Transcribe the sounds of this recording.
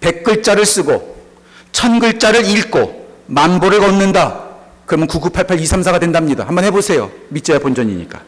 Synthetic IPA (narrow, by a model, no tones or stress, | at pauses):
pe̞k̚k͈ɯɭt͡ɕ͈aɾɯɭs͈ɯɡo | t͡ɕʰʌnɡɯɭt͡ɕ͈aɾɯɾiɭk͈omanboɾɯɭɡʌnːɯnda | kɯɾʌmʌnkuɡupʰaɭpʰaɭisʰamsʰaɣadwendamɲida̰hambʌnhebosʰe̞jo̰mit͡ɕ͈eepond͡ʑʌɲḭɲḭk͈a